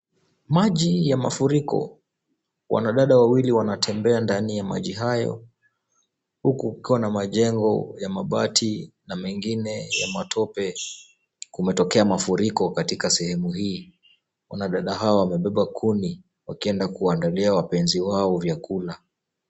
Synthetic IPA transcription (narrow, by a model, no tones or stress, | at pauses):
maʄijama̰fuɾikɔ̰ | wʔa̰naɗaɗawawiliwanatʰɛmbɛandanijama̰ʄiɦajɔ̰ | hukukukiwanamaʄɛŋɡɔjamaɓatʰinamɛŋɡinɛja̰matʰɔpɛ | kumɛtɔkɛamafuɾikɔkatikasɛhɛmuɦiː | wa̰naɗaɗaɦaɔwamɛɓɛɓakʰuni | wakiɛndakuaandaliawapɛnziwaɔvjakula